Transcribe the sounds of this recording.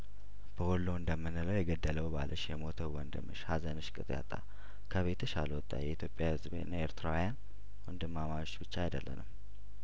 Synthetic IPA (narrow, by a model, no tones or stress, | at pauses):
b̥əwolːoɨnd̪əmːɨnːɨləwjɛɡəd̪ːələwba̰lʔəʃjɛmo̞t̪ʰəwwənd̪ɨmɨʃhazənɨʃkʼɨt̪ʼja̰t̪ʼːa̰ | kʰəβet̪ʰɨʃa̰ləwɔt̪ʼːa̰jɛʔit̪ʰjo̞pʼjahɨzbnːaeɾt̪ʰɾawjan | wɔnd̪ɨmːamajot͡ʃːbɨt͡ʃːajd̪əlːə̰nəm